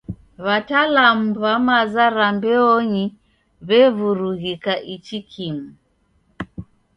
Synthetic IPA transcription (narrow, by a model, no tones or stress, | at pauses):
βatalamuβamazaɾambɛɔɲi | βɛvuɾuɣikaʔit͡ʃikʰimu